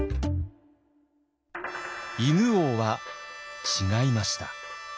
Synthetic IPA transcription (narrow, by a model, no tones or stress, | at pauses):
imɯ̟oβa | t͡ɕiŋaimaɕi̥t̪a